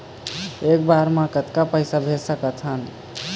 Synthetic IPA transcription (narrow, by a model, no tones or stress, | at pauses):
ek̚baɾmãkət̪kapəɪsabʱesəkət͡ʃʰən